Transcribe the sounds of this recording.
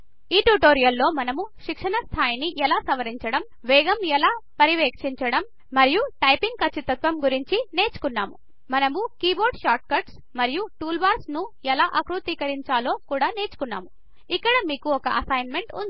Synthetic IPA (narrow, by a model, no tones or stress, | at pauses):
iːʈuʈoːɾijɐlːo̞ːmɐnɐmuʃikʂɐɳɐst̪ʰaːjniʔɛlaːsɐʋɐɾiɲt͡ʃɐɽɐm | ʋɛːɡɐmɛlaːpɐɾiʋɛːkʂiɲt͡ʃɐɽɐmː | ɐɾijuʈɐjpiŋɡ̚kɐt͡ʃʰːit̪ːɐt̪ʋɐmɡuɾiɲt͡ʃine̞ːt͡ʃu̥kunːaːmu | mɐnɐmukiːbo̞ːɾɖʃaːʈ̚kɐɾʈs | mɐɾijuʈuːlbaːɾsnuɛlaːʔɐkɾut̪iːkɐɾiɲt͡ʃaːlo̞ːkuːɽaːneːt͡ʃu̥kunːa̰ːmu | ikːɐɽɐmiːkuɔkɐʔɐsɐjnme̞ɳʈun